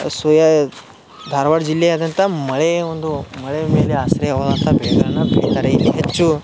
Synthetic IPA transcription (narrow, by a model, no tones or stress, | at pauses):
sʋɐjɐ | d̪ʱaːɾɐʋaːɽd͡ʒilːeaːd̪ɐnt̪ɐmɐɭeond̪umɐɭemeːleaːsɐɾeɐʋɐːd̪ant̪ɐbɛːɡɐɭɐnːɐbiɽit̪aːɾeid̪iɦet͡ʃːu